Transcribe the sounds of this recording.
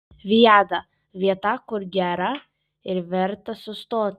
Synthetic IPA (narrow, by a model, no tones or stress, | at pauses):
viad̪a | viat̪akoɾɡɛɾa | eɾvɛɾt̪asɔst̪ɔt̪